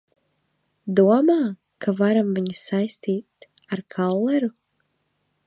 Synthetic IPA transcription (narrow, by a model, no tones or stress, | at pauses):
d̪uɔmaː | kʰavaɾamviɲisajst̪iːt̪aɾkʰalːɛɾu